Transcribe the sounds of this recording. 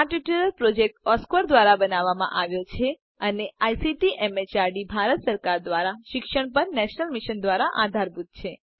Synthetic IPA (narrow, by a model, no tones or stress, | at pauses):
aʈiʈəɾəlpɾod͡ʒek̚ʈɔskʋəɾd̪ʋaɾabənaʋːamã̰ʔaʋjot͡ʃʰe | əneajsiʈiʔɛmet͡ʃaɾɖibʱaɾət̪səɾkaɾd̪ʋaɾaʃɪkʃəɳpəɾnɛʃnəlmiʃənd̪ʋaɾaʔad̪ʱaɾbud̪̚ʱt͡ʃʰe